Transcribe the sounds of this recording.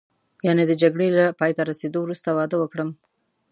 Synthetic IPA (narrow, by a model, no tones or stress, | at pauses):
jɑned̪əd͡ʒaɡɽelapɑjt̪aɾased̪owɾust̪awɑd̪awəkɽəm